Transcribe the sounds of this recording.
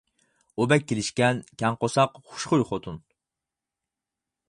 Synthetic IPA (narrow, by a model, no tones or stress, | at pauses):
ubɛkʲʰːelɪʃkʲɛnkʲʰɛŋqosɑqχu̥ʃχʊjχot̪ʰun